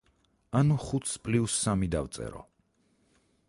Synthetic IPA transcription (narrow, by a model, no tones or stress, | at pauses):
anuχut̪ʰspʼliusːamid̪avt̪sʼɛ̰ɾɔ̰